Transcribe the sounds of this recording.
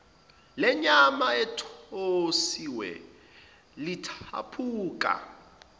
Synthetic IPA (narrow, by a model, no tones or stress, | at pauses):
lɛɲamaɛtʰosiwɛ̰ | litʰa̰pʰuːkʼa̰